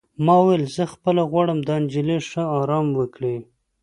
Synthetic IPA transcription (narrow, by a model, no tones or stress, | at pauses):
mɑwwelzəxpəlaɣwɑɽəmd̪ɑnd͡ʒɪleʂəɑɾɑmwəkɽe